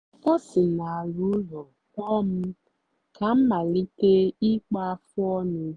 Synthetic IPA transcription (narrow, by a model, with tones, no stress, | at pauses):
kɔ˦sɪ˨na˨a˨ɾu˦lɔ˨ | kɔ˦m̩˦ | ka˨m̩˦ma˨li˦te˦i˦k͡pa˦a˦fʊ˦ɔ˦nʊ˦